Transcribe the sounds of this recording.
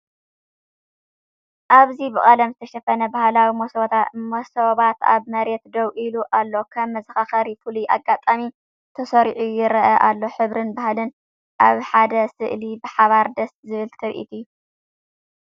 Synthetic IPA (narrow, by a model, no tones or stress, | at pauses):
ʔaβzibɨχʼɐlɐmzɨt̪ʰɐʃɐfɐnɐbahlawimosβt̪amosoβat̪a̰βmɐɾet̪d̪ɐwʔiluʔalːo̞kʰɐmmːɐzɨxaxɐɾifuliʔaɡːat̪ʼami | t̪ʰɐsɐɾʕujɪɾɐʔɐʔalːo̞ħɨβɾɨnbahlɨn | ʔaβħad̪ɐsɨʔlibɨħaβaɾd̪ɐst̪zɨβɨlt̪ʰɐβʔḭt̪ʰijːu